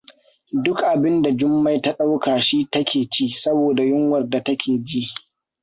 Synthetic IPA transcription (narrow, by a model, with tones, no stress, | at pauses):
dʊ˦kʔa˨bɪ˦nda˨d͡ʒʊ˦mːa˨jta˦ɗa˦wkaː˨ʃiː˦tɐ˦kʲʰeː˨t͡ʃiː˦sɐ˦boː˨da˨jʊ˦ŋwɐ˨rda˨tɐ˦kʲeː˨d͡ʒi˦ʔ